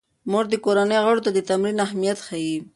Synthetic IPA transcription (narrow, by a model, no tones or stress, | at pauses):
moʐd̪əkoɾanəjɣaɽot̪ad̪ət̪amɾinahmijat̪xaji